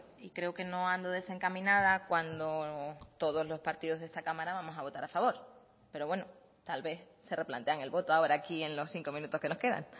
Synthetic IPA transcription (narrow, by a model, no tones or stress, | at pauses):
ikɾe̞oke̞no̞and̪oð̞e̞se̞ŋkamĩnað̞akwand̪ot̪o̞ð̞o̞zlo̞spaɾt̪iðo̞zðe̞st̪akamaɾaβamo̞saβ̞o̞t̪aɾafaβo̞ɾ | pe̞ɾo̞βwe̞no | t̪alβe̞θse̞re̞plant̪e̞aŋe̞lβo̞t̪oaoɾakie̞nlo̞sθiŋko̞mĩnut̪o̞hke̞no̞hke̞ða̰ŋ